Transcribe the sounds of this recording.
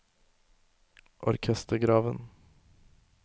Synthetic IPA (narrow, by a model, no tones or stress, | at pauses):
ʔɔ̰ɾkʰɛst̪əɾɡɾɑːʋən